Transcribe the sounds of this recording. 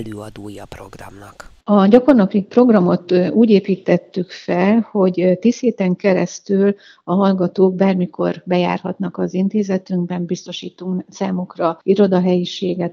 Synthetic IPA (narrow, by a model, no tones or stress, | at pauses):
løːɒd̪oːjɒpro̞̰ɡrɒ̰mnɒk | ɒɟɒko̞rnɒpipro̞ɡrɒmo̞t̪uːɟeːpiːt̪ːɛt̪ːykfɛlho̞ɟt̪iːsheːt̪ɛŋkɛɾɛst̪yl | ɒɦɒlɡɒt̪oːɡ̚baːrmiko̞̰rbɛja̰ːrɦɒt̪nɒkɒzint̪eːzɛt̪yŋɡbɛmbist̪o̞ʃiːt̪uŋsaːmukrɒiɾo̞d̪ɒɦɛjiʃeːɡɛt̪